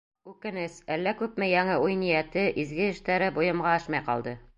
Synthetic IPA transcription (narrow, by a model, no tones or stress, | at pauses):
ʉkɘ̆nɘsælːækʉp̚mɘjɒŋɤujnijæt̪ɘʔizɡɘɘ̆ʃt̪æɾɘbujɤ̆mʁɑɒʃmɑjqɒ̰lˠd̪ɤ